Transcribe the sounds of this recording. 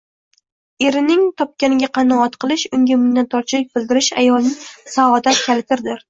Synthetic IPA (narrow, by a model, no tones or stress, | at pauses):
e̞ɾɪnɪŋt̪ʰɒp̚kʲanɪɡʲaqʰɑnɒɒt̪qʰɨlˠɪʃʊŋɡʲamʊnd̪ant̪ʰɒɾt͡ʃʰɪlɪk̚ʲbɪld̪ɪɾɪʃa̰jɒlˠnɪŋsaɒd̪at̪̚kʲʰalɪt̪ʰɪɾd̪ɪɾ